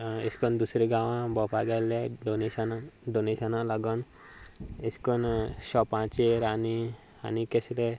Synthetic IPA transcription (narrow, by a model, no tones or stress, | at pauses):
eskɔnd̪usɾeɡãʋãbɔpaɡaleɖoneɕənaɖoneɕənãlaɡɔn | eskɔnɕɔpãt͡ɕeɾani | a̰nikesle